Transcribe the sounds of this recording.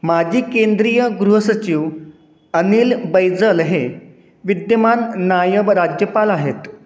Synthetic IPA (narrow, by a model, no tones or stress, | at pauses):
mad͡ʑʱiːkend̪ɾijəɡɾuɦəsət͡ɕiʋ | ənilbəjd͡zəlɦe | ʋid̪jəmanːajəʋɾad͡ʑjəpalaɦet̪